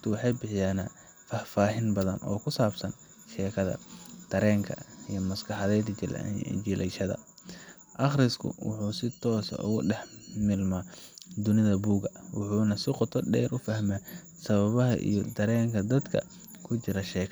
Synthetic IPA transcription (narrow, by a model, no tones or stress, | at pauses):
t̪ʰʊwɑħɑjbɪħɪjaːnaː | fɐfaːɦɪnbɐðɐnʔɔ̰ːkʰʊsaːbsɐn | ʃɛːkʰɐðɐ̰d̪̥ɐɾɛːŋkʰɐ̰ijɔmɐskʰɑħɑðɛːd̪d͡ʒɪl̰d͡ʒɪlʔɛjʃɐðɐ̰ | ʔɐχɾɪskʰʊ̰wʊ̰ħuːsɪt̪ʰɔːsʊ̰ɣʊ̰ɖɛħmɪlmaːd̪ʊnɪðɐbuːɡɐwʊ̰ħuːnɐsɪqɔt̪ʰɔɖɛːɾʊfɐhmɛ | sɐβɐβɐɦɐ̰ʔḭjɔd̪ɐɾɛːŋkʰɐd̪ɐd̪kʰɐ̰ | kʰʊt͡ʃɪɾɐʃɛːkʰ